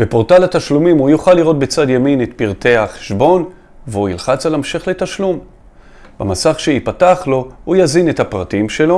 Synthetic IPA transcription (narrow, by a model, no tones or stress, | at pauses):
b̥epo̞ʁt̪alat̪aʃlumimujuχalːiʁo̞t̪̚bet͡sad̪jaminet̪piʁt̪e̞aχe̥ʃbo̞n | veuilχat͡salemʃeχle̞t̪aʃlum | b̥amasaχʃeipataχlo̞hujazine̞t̪hapʁatimʃe̞lo̞